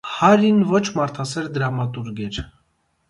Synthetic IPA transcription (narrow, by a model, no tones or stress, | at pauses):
hɑɾinvɔt͡ʃʰmɑɾt̪ʰɑsɛɾd̪əɾɑmɑt̪uɾɡɛɾ